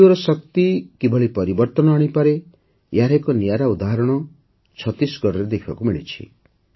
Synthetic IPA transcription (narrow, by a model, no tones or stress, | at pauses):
oɾɔsɔk̚t̪ikibʱɔɭipɔɾibɔɾt̪ɔnɔaɽ̃ipaɾe | jaɾekɔnijaɾaud̪aɦɔɾɔɽ̃ɔ | t͡ʃʰɔt̪isɡɔɾɔɾed̪ekʰɔ̰kumiɭḭt͡ʃʰḭ